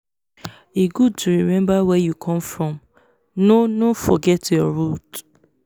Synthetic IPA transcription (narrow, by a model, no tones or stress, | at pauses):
iɡud̚tʰuɹimɛ̃mbawɛjukʰɔ̃mfɹɔ̃m | nonofɔɡɛtjɔɹut